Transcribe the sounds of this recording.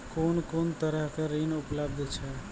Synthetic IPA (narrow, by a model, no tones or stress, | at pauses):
koːnkoːnt̪əɾəɦkeɾiːnʊpləb̚d̪ʱt͡ʃʰɛ